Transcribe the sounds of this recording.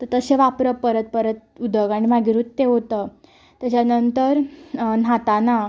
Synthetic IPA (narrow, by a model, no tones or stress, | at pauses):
t̪əɾt̪əɕeʋapɾəpəɾət̪̚pəɾət̪̚ud̪əɡaɽ̃imaɡiɾut̪t̪eɦot̪ə | t̪jat͡ɕanənt̪əɾn̤at̪ana